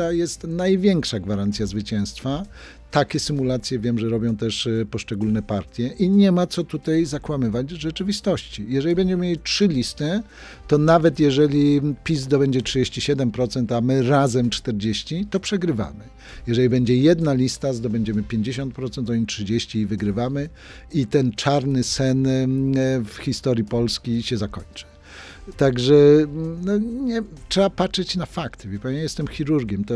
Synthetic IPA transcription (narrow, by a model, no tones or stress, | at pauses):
ajɛst̪najvʲjɛŋkʂaɡvaɾant̪sʲjazvɘt͡ɕɛ̃w̃st̪fa | t̪akʲɛsɘmulat̪sʲjɛvʲjɛmʐɛɾɔbʲjɔ̃w̃t̪ɛʂpɔʂt͡ʂɛɡulnɛpaɾt̪ʲjɛʔiɲɛmat̪sɔt̪ut̪ajzakwamɘvad͡ʑʐɛt͡ʂɘvʲist̪ɔɕt͡ɕijɛʐɛlʲibɛɲd͡ʑɛmɘmjʲeitʂɘlʲist̪ɘ | t̪ɔnavɛt̪jɛʐɛlʲipʲizd̪ɔbɛɲd͡ʑɛtʂɨd͡ʑeɕt͡ɕiɕɛd̪ɛmpɾɔt̪sɛnt̪amɘɾazɛmt͡ʂt̪ɛɾd͡ʑeɕt͡ɕit̪ɔpʂɛɡɾɘva̰mɘ | jɛʐɛlʲibɛɲd͡ʑɛjɛd̪nalʲist̪azd̪ɔbɛɲd͡ʑɛmɘpʲjeɲd͡ʑeɕɔnt̪̚pɾɔt̪sɛnt̪ɔɲitʂɘd͡ʑeɕt͡ɕiivɘɡɾɘvamɘ | it̪ɛnt͡ʂaɾnɘsɛn | fxʲist̪ɔɾjipɔlskʲijɕɛzakɔɲt͡ʂɨ̥ | t̪aɡʐɛnɔɲɛtʂɛbapatʂɛt͡ɕnafakt̪ɘvʲipaɲɛjɛst̪ɛmxʲiɾuɾɡʲɛmt̪ɔ